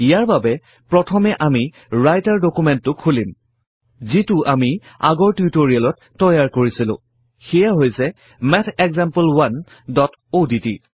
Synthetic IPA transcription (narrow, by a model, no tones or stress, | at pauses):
ijaɹbabɛ | pɹɔtʰɔmɛʔami | ɹajtaɹdokumɛntːʊkʰulim | zitʊami | a̰ɡɔɹtutoɹialɔtːɔjaɹkoɹisilʊ̰̃ | xɛjaɦojsɛ | mɛtʰɛkzampəlwan | dɔt | oditi